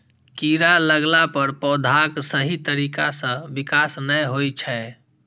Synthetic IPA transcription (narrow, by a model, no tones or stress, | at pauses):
kiɾaləɡlapəɾpɔʊd̪ʱaksəɦit̪əɾikasə̃bikasnəjɦojt͡ʃʰɛ